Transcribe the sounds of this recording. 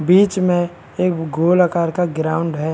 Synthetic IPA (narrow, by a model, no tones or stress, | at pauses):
biːt͡ʃmẽ | eːkɡoːlakaːɾkaɡɾaːʊ̃ɳɖɦɛ